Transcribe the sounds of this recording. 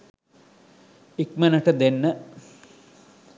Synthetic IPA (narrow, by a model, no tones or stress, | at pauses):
ikmɐnəʈəd̪enːə